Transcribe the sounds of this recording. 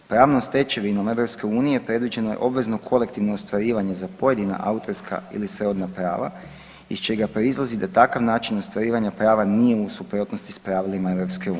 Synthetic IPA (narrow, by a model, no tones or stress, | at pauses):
pɾaːʋnost̪e̞t͡ʃe̞ʋinome̞ʋɾo̞pske̞uːnijepɾe̞d̪ʋid͡ʒe̞nojḛʔo̞bʋe̞zno̞kʰo̞le̞kt̪iʋno̞ost̪ʋaɾiːʋaɲe̞zapo̞je̞d̪ina̰ʔa̰ut̪o̞ɾskʰa̰ḭlisɾo̞d̪napɾa̰ːʋa̰ | ḭst͡ʃe̞ɡapɾo̞izlˠazid̪at̪akaʋnaːt͡ʃino̞st̪ʋaɾiːʋaɲapɾaːʋanije̞usupɾo̞ːt̪no̞st̪ispɾaːʋilimae̞ʋɾo̞pskeuː